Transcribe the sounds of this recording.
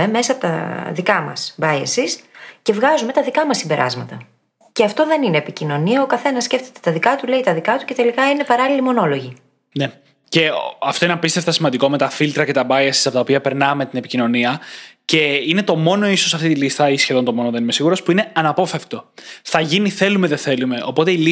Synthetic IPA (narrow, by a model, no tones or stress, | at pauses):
eme̞sɐpt̪ɐ̰ðikɐmɐ̰sbɐjesiscevɣɐzume̞t̪ɐðikɐmɐsːimbe̞ɾʔɐ̰zmɐt̪ɐ | ceɐft̪o̞ðe̞nineːpicino̞niɐokɐθe̞nɐsːce̞ft̪e̞t̪e̞t̪ɐðikɐt̪ule̞it̪ɐðikɐt̪u̥ce̞t̪e̞likɐine̞pɐɾɐlilimo̞no̞lo̞ʝi | ne̞ | ce̞ɐfto̞ineɐpist̪eft̪ɐsimɐnd̪iko̞me̞t̪ɐfilt̪ɾɐce̞t̪ɐbɐjesi̥sɐpo̞t̪ɐopiɐpe̞ɾnɐme̞t̪ine̞picino̞niɐce̞inet̪o̞mo̞no̞iso̞sɐft̪it̪ilist̪ɐisçe̞ðo̞nt̪o̞mo̞noðe̞nime̞siɣuɾo̞spuine̞ɐnɐpo̞feft̪o̞θɐʝiniθe̞lumeðeθe̞lume̞ʔo̞po̞t̪e̞ili